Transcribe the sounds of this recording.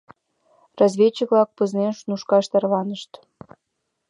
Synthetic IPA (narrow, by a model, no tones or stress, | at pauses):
rɑzβʲet͡ɕəβlɑk̚pəznenʃnuʃkɑʃt̪ɑrlɑnəʃt̪